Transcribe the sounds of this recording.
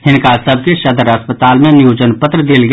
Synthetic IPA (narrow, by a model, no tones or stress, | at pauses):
hɪnkaːsəb̚ʱkeʃɐd̪əɾɐspət̪aːlmẽnjuːd͡ʒənpət̪ɾəd̪eːlɡ